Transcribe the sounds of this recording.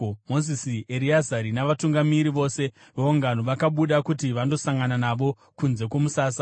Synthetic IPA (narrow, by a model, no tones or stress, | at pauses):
mo̞zisieɾiazaɾinaʋatuŋɡamiɾiʋo̞se̞ | ʋeuŋɡanoʋakaɓuɗakutiʋando̞saŋɡananaʋo̞ | kunze̞kwo̞musaːs̬a